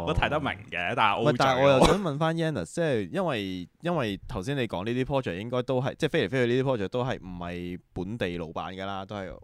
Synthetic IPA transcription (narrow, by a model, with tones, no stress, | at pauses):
t̪ʰɐ˨˥jt̪ɐ˥k̚mɪ̰˨˩ŋkɛː˨˧t̪aː˨˩˨ʔo˧mɐ˨˩taː˨˩˨ɔː˨˧jɐ˨wsœː˨˥ŋmɐ˨˧nfaː˥njɛː˥nɐ̰˨˩st͡sɛː˥˩jɐ˥nwɐ˨jjɐ˥nwɐ˨jt̪ʰɐ˨˩wsiː˥ne˨˧jkɔ̰ː˨˥ŋliː˥t̪iː˥pʰɔː˥t͡ʃœː˨˩jɪ˥ŋkɔː˥jt̪o˥wɦɐ˨jt͡sɛː˥˩fjlfe˥jʰɵ˧liː˥iː˥pʰɔː˥t͡ʃœː˨˩t̪o˥wɦɐ˨jm̩˨˩hɐ˨jpuː˨˥nt̪e˨jlo̰˨˧wpa̰ː˨˥nɡɛː˧laː˥t̪o˥whɐ˨j